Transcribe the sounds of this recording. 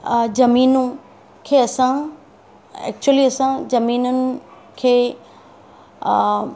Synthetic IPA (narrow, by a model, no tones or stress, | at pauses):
d͡ʑɐmiːnũ | kʰeːɐsã | ɛ̰ːk̚t͡ɕuəliɐsãd͡ʑɐmiːnənɪ̆ | kʰeː